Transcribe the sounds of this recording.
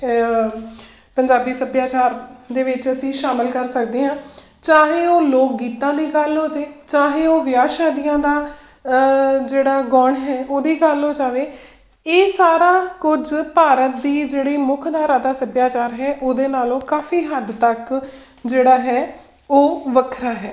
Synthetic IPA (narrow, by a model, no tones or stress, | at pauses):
pəɲd͡ʒaːbiːsəbjaːt͡ʃaːɾd̪eːʋɪt͡ʃəsĩːʃaːməlkəɾsək̚d̪eːɦãː | t͡ʃaːɦeːoːloːk̚ɡiːt̪ãːd̪iːɡəlɦoːd͡ʒeːt͡ʃaːɦeːoːʋɪjaːʃaːd̪ijãːd̪aː | d͡ʒeːɽaːɡɔːɳɦɛːʔoːd̪iːɡəloːd͡ʒaːʋeː | eːsaːɾaːkʊd͡ʒpaːɾət̪̚d̪iːd͡ʒeːɽiːmʊkʰd̪aːɾãːd̪aːsəbjaːt͡ʃaːɾɦɛːʔoːd̪eːnaːlõːkaːfʰiːɦəd̪t̪ək | d͡ʒeːɽaːɦɛː | oːʋəkʰɾaːɦɛː